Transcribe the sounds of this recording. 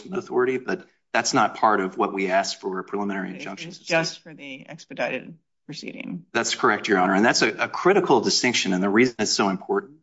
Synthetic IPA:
n̩ðəθɔɹɨɾibʌt̪̚ | ðætsnət̚pʰɑɹɾʌvwʌʔ̚wiæskfə˞pʰɹ̥ilɪmɨ̃ñɛɹiɨ̃nd͡ʒʌ̃ŋkʃɨ̃n̩z̥d͡ʒʌstfə˞ðiɛ̰kspɨdaɪɾɨd̚ | pʰɹ̥ɨsḭɾɪ̰̃ŋðætskʰə˞ɛk̚t͡ʃə˞ɑnə˞ɨ̃nðætsɨʔɨkʰɹ̥ɪɾɨkʰl̩ˠdɨstɪ̃ŋkʃɨ̃nɨ̃nðɨɹiznɨtsoʊɨ̃mpʰɔɹʔ̩

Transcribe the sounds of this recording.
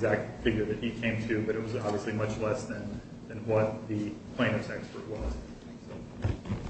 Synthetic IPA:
zæk̚t̪̚fɪɡjə˞ðɨt̚hikʰẽɪ̃mtʰʉbʌɾɨt̚wʌzɑbviəslimʌt͡ʃlɛsðɨ̃n | ðɨ̃nwʌt̪̚ðɨpʰl̥ẽɪ̃nʌvsɛkspə̰˞ʔ̚wʌz̥ | soʊ

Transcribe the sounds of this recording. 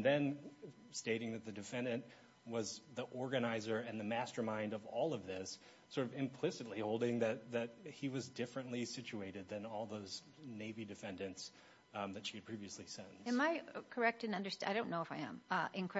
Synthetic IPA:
ðɨ̃n | steɪɾɪ̃ŋðɨt̪̚ðɨdɨfɛ̃ndɨ̃nʔ | wʌzðiʔɔɹɡɨnaɪzə˞ɨ̃nðɨmæstə˞mãɪ̃ndʌvɔlˠʌvðɪsː | ɔɹɾʌvɨ̃mpʰl̥ɪsɨtˡlihoʊlˠdɪ̃ŋðɨt̪̚ðɨt̚hiwʌzdɪfɹɨ̃nʔlisɪt͡ʃʉeɪɾɨd̪̚ðɨ̃nɔlˠðoʊz | neɪvidɨfɛ̃ndɨ̃nts | ðɨtʃiɨd̚pʰɹ̥iviɨslisɛ̃nɨ̃nmaɪkʰə˞ɛk̚tɨ̃nʌ̃ndə˞saɪɾõʊ̃nːoʊɨfaɪɨ̰̃mʔɨ̃nkʰ

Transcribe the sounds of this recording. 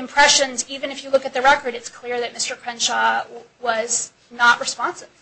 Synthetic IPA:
ɨ̃mpʰɹ̥ɛʃɨ̃nzivɨ̃nɨfjɨlʊkɨt̪̚ðɨɹɛkə˞ɾɨtskʰl̥ɪɹðɨt̚mɪstə˞kʰɹ̥ɛ̃nʃɑ | wʌz | nəʔɹɨspɑ̃nsɨv̥

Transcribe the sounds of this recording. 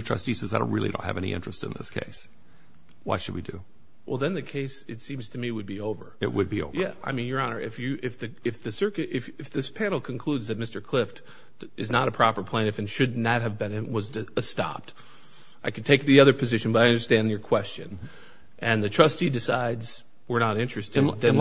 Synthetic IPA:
tʰɹ̥ʌstisɛzaɪdõʊ̃nʔɹɪlˠidõ̰ʊ̃nhɨ̰vɛ̰ñḭʔɪ̰̃nt͡ʃɹ̥ɨstɨ̰̃nðɪ̰skʰḛɪs | wʌ̰tʃɨd̚wḭdʉ̰ | wɛ̰lˠðɨ̃nðɨkʰeɪsɨtsĩmz̥tʰɨmiwɨd̚bioʊvə̰˞ɪ̰ʔ̚wɨ̰d̚bio̰ʊvjæaɪmĩnjə˞ɑnə̰˞ʔɪfjɨʔɪfðɨɨfðɨsɜ˞kɨɾɪfɨfðɪspʰæ̃nl̩ˠkʰnkʰl̥udzðɨt̚mɪstə˞kʰl̥ɪft | ʔɨznəɾɨpʰɹ̥ɑpə˞pʰl̥ẽɪ̃ñɨfɨ̃nʃɨdⁿnɨt̚ɦɨvbɨ̃nɨtwʌzɨɨstɑ̰p̚t | ʔaɪkʰɨd̚tʰeɪk̚ðiʌðə˞pʰɨzɪʃɨ̃nbʌɾaɪʌ̃ndə˞stæ̃njə˞kʰw̥ɛst͡ʃɨ̰̃n | ʔɨ̃nðɨtʰɹ̥ʌstidɨsaɪdz̥ | wə˞nəɾɪ̃nt͡ʃɹ̥ɨstɪ̃dðɨ̃n

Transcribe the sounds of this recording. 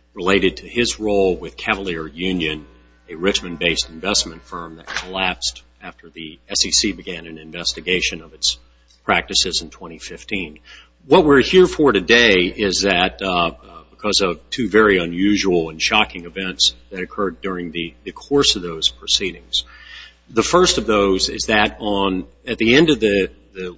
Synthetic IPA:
ɹəleɪɾɨd̚tʰɨɪzɹoʊlˠwɪð̥kʰævl̩ˠɪɹjʉ̃njɨ̃n | ɨɹɪt͡ʃmɨ̃nbeɪstɱvɛsmɨ̃ntfɜ̃˞mðɨt̚kʰəlæpst | æftʰə˞ðiɛsisibɨɡæ̃nɨ̃nɨ̃ɱvɛstɨɡeɪʃɨ̃nʌvɨts | pʰɹ̥æk̚tɨsɨzn̩tʰw̥ɛ̃ɾ̃ifɪftʰĩn | wʌt̚wɪɹhiɹfə˞ɾɨdeɪʔɪzðɨt̚b̥əkʰʌzʌv̥tʰʉvɛɹiɨ̃njʉʒəl̩ˠə̃nʃɑkɪ̃ŋɨvɛ̃ntsðɨɾɨkʰɜ˞dʊɹɪ̃ŋðɨðɨkʰɔɹsʌvðoʊz̥pʰɹ̥ɨsiɾɪ̃ŋz̥ | ðəfɜ˞stʌvðoʊzɪ̰zðɨɾn̩ | ɨt̪̚ðiɛ̃ndʌvðɨ | ðɨ

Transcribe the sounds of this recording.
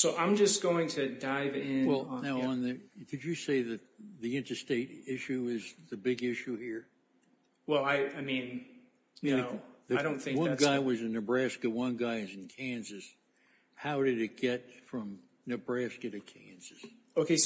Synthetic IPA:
soʊʔãɪ̃md͡ʒʌsɡ̥oʊɪ̃ŋtʰɨdaɪvɪ̃wɛlˠnaʊə̃nðɨkʰɨd͡ʒɨseɪðɨt̪̚ðiɪ̃ntə˞steɪɾɪʃʉɪzðɨbɪɡɪʃʉhiɹ | wɛlˠaɪaɪmĩn | jɨðɨɪɾõʊ̃nθɪ̃wʌ̃nɡaɪwʌzɨnɨbɹæskɨwʌ̃nɡaɪɨz̃n̩kʰæ̃nzɨs | haʊɾɨɾɨt̚ɡ̥ɛt̚fɹʌ̃m | nɨbɹæskɨɾɨkʰæ̃nz̥ɨs | oʊkʰeɪ

